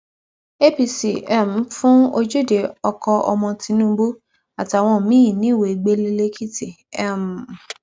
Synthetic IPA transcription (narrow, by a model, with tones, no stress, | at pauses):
e˦pi˧si˨ɛ˦˨m̩˨˦fũ˦o˧d͡ʒu˦˨de˨ɔ˧kɔ˧ʔɔ̰˧mɔ̃˧tĩ˧˦nũ˦bu˦ | a˨ti˨˦a˨w̃ɔ̃˧˨mĩ˦ĩ˨nĩ˨˦˨we˨i˨ɡ͡be˦le˧le˦kʰi˦ti˦˨ | ɛ˦˨m̩˨